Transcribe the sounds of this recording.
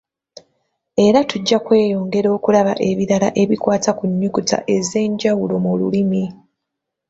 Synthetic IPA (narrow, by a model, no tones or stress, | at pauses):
e̞ɾatuɟːakwe̞ːjo̞ːŋɡe̞ɾo̞ːkulaβa̰ʔe̞βiɾalaʔe̞βikwaːtakuɲːukuta̰ʔe̞ze̞ːɲɟawulo̞mulṵlimi